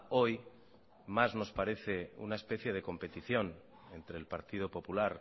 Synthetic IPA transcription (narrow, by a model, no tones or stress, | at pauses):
o̞j | mazno̞spaɾe̞θe̞ṵnae̞spe̞θje̞ð̞e̞ko̞mpe̞t̪iθjo̞n | e̞nt̪ɾe̞ːlpaɾt̪ið̞o̞po̞pulaɾ